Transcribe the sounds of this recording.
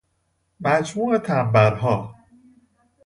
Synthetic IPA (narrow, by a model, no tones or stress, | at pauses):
mæd͡ʒmuːet̪ʰæbːæɾɦɒː